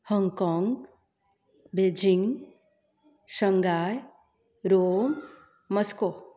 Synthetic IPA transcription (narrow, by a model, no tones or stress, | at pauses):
hɔŋkɔŋɡ | bed͡ʒiŋɡ | ʃəŋɡaːj | ɾoːm | məsko